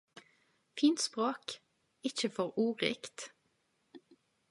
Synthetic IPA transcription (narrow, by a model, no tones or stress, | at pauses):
fiːnt̪spʁoːk | ɪçəfɔʁuːʁɪ̰kt̪